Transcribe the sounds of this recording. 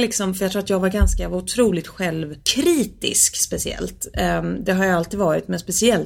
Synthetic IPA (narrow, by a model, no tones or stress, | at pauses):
lɪksɔmfœɾjakt̪ɾuːat̪jɑːɡvaɾɡanskaʊt̪ʰɾuːlɪt̪ɧɛlvkʰɾiːt̪ɪ̰skspɛsɪɛ̰lt̪d̪ɛɦaɾjaalt̪ʰiːd̪vɑːɾɪt̪mɛnspɛsɪɛl